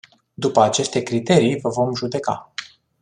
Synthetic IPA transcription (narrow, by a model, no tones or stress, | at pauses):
d̪upəat͡ʃe̞st̪e̞kɾit̪e̞ɾijvəvo̞mʒud̪e̞ka̰